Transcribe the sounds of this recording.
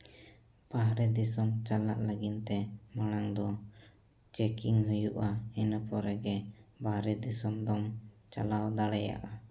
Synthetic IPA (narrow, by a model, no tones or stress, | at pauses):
b̥aɦɾɛd̪isɔmt͡ʃala̰ʔləɡint̪ɛmaɽ̃aŋd̪ɔ | t͡ʃɛkiŋɦujuʔaɛnəpɔɾɛɡɛbaɦɾɛd̪isɔmd̪ɔm | t͡ʃa̰lawd̪aɽɛja̰ʔa